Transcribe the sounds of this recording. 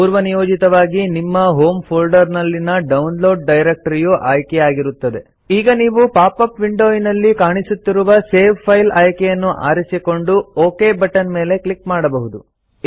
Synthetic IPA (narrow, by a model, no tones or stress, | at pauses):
puːɾʋɐnijoːd͡ʒit̪ɐʋaːɡinimːɐɦo̞ːmpʰoːlɖɐɾnɐlːinɐɖɐunlo̞ːɖɖɐjɾek̚ʈɐɾijuʔaːjkɛjaːɡiɾut̪ːɐd̪e̞ | iːɡɐniːʋupaːpɐpʋiɳɖoːjinɐlːikaːɳisut̪ːiɾuʋɐse̞ːʋpʰɐjlaːjkɛjɐnːuʔa̰ːɾisiko̞ɳɖuoːke̞ːbɐʈːɐnme̞ːle̞klikmaːɽɐbɐɦud̪u